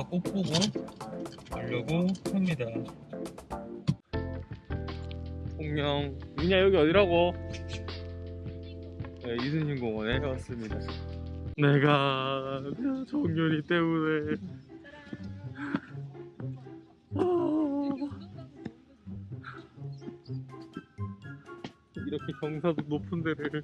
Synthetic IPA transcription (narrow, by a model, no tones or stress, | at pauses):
k͈op͈oɡo | uʎːʌɡohamɲida | tʰoŋɲʌŋiɲajoɡiʌdiɾɦaɡo | ne̞isʰɯŋɕinɡoŋwʌneʌs͈ɯmɲida | ne̞ɡa | net͡ɕoŋɲoɲit͈e̞mune̞ | ʌ | iɾʌkʰe̞kjʌŋsʰadonopʰɯndeɾɯ